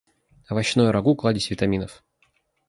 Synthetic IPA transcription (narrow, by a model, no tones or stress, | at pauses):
ɐvɐɕnojʊɾɐɡuklˠadʲɪsʲvʲɪt̪ɐmʲinəf